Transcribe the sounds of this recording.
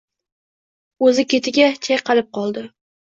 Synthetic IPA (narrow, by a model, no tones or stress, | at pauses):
ɵzɪkʲe̞t̪ʰɪɡʲat͡ʃʰajqɑlˠɪp̚qʰɒlˠd̪ɪ